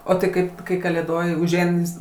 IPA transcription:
oː tɐɪ ˈkɐɪp kɐɪ kɐlʲeːˈdoːj ʊʒʲˈɛɪn jɪs

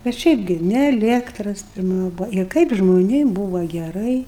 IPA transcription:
bʲɛt ˈʃʲɛɪp ɡʲɪ nʲɪ ɛˈlʲiɛktrɐs pʲɪrˈmɐ ˈbʊʋoː ɪr ˈkɐɪp ʒmoːˈnʲeːm ˈbuːʋɐ ɡʲɛˈrɐɪ

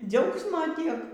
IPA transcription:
ˈd͡zʲɛʊksmoː ˈtʲiɛk

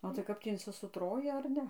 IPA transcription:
oː tɐɪ ˈkɐp tʲiː ɪnʲsʲɪsʊˈtroːjɪ ɐr ˈnʲɛ

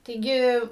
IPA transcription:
tɐɪˈɡʲɪ

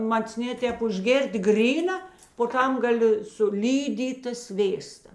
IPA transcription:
mɐt͡sʲˈnʲeː ˈtʲɛːp ʊʒʲˈɡʲeːrʲtʲ ˈɡrʲiːnɐ poː ˈtɐm ɡɐˈlʲɪ sʊ ˈlʲiːdʲiːtɐ ˈsʲʋʲeːstɐ

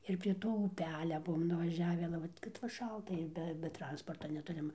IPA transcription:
ɪr pʲrʲiɛ ˈtoː ʊˈpʲæːlʲɛ ˈbuɔm nʊʋɐˈʒʲæːʋʲɪ ɐlʲɛ ˈʋɐt kɐt ʋɐ ˈʃɐlˠtɐ ɪr ˈbʲɛ bʲɛ ˈtrɐnspoːrtɐ nʲɛˈtʊrʲɪm

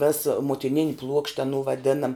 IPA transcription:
ʋʲɛs muɔtʲɪˈnʲɪnʲ plˠuɔkʃʲtʲ ɐˈnuː ʋɐˈdʲɪnɐm

